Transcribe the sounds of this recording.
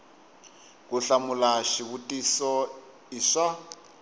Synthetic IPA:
k̬uɬamulaʃiβutʼisɔ | iʂa

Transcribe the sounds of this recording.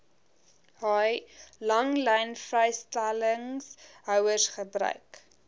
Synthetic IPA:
ɦɑjlɐŋlɛjnfrɛjstæləŋsɦœwərsχəbɾœ̰ɥk

